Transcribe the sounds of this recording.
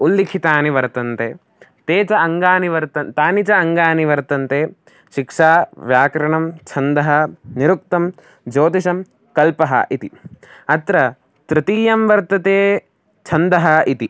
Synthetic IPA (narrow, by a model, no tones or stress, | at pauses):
ulːikʰit̪aːniʋɐɾt̪ɐnt̪eː | t̪eːt͡ʃɐɐŋɡaːniʋɐɾt̪ɐt̪aːnit͡ʃɐɐŋɡaːniʋɐɾt̪ɐnt̪eː | ʃikʂaːʋjaːkɾɐɳɐmt͡ʃʰɐnd̪ɐɦɐniɾuk̚t̪ɐm | d͡ʒoːt̪iʃɐm | kɐlpɐɦɐ̰ʔit̪iɐt̪ɾɐ | t̪ɾɪt̪iːjɐmʋɐɾt̪ɐt̪eː | t͡ʃʰɐnd̪ɐɦɐit̪i